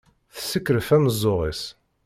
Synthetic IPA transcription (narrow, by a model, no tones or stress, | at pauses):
θəsːəkːɾəfæməzˤːʊʁis